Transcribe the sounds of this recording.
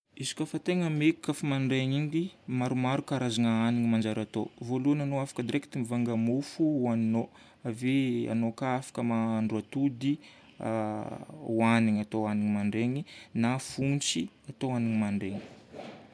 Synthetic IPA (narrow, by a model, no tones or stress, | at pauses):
izi̥kʲafat̪eŋəmeki̥kafimaɳɖ͡ʐeɲind̪imaɾumaɾukaɾazaŋəaniŋimand͡ʒaɾat̪ovoluananoafḁkəd̪iɾeki̥t̪imivaŋɡəmufuanino | avea̰nokaafḁkəmaɳɖ͡ʐuat̪ud̪i | a̰ | waniɲat̪oaniɲimaɳɖ͡ʐeɲinafunt͡si | at̪oaniɲimaɳɖ͡ʐeŋi̥